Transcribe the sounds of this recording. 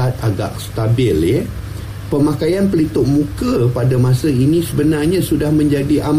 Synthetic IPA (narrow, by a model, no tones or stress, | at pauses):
at̪̚aɡa̰ʔst̪abɪlɪ | pəmakajanpəlit̪ʊʔ̚mũkəpadamãsəinĩsəbənarɲãsudahmə̃ɲd͡ʒadiʔam